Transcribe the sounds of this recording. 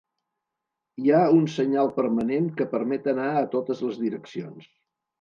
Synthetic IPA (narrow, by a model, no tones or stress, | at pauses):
iaunsəɲalˠpəɾməneŋkəpəɾmɛt̪ənaət̪ot̪əzləzðiɾəksions